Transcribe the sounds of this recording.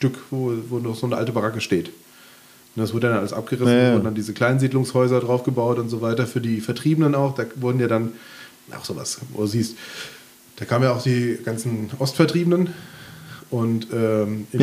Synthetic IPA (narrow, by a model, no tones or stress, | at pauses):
ʃtʏkvoːvoːdəɔxz̥oːnəʔaltəbaʁakəʃteːt | nədasvʊɐdədandanʔaləsʔa̰p̚ɡ̥əʁɪsnʊɐn̩dandiːzəkl̥aɪnziːdlʊŋshɔʏzɐdʁaʊfɡ̥əbaʊtʊntz̥ovaɪtɐfyːɐdiːfɛɐtʁ̥iːbənənaʊxd̥aːvʊɐdn̩jaːdan | ʔa̰ʊxz̥o̰ːva̰svo̰ːduːziːst | d̥aːkʰaːməmjaːaʊxd̥iːɡ̥ant͡sn̩ʔɔstfɛɐtʁ̥iːbənən | ʔʊntʔɛːʔɪ